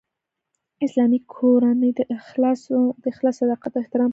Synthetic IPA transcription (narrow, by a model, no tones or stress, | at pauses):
ɪslɑmikʰoɾanəjd̪sd̪̥əxlɑsad̪ɑqat̪̚ɪht̪ɪɾɑm